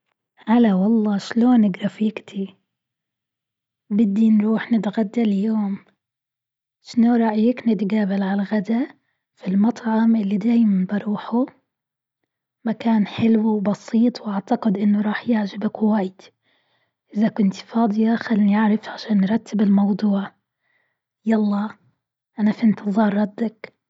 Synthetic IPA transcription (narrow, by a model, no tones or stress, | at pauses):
ʔalawɑlˤːɑːʃloːnɪɡɾˤɑfiːkt̪ʰi | bɪd̪ːinɾuːħnɪt̪ɣad̪ːaljoːm | ʃnoɾˤɑʔjɪknɪt̪ɡaːbɪlʕalaɣad̪a | filmɑt̪ˤʕɑmʔɪlːid̪aːjmanbɑɾˤuːħu | makaːnħɪlwwbɑsiːt̪ˤwʔaʕt̪aqɪd̪ʔɪnːʊɾˤɑːħjaʕʒɪbakwaːjɪd̪̥ | ʔɪzakʊnt̪fɑːd̪ˤɨjaxalniʔaʕɾafʕaʃaːnːɾˤɑt̪ʰːɪbɪlmɑwd̪ˤuːʕ | jɑlˤːɑː | ʔanafiɪnt̪ɨzˤɑːɾˤːɑd̪ːak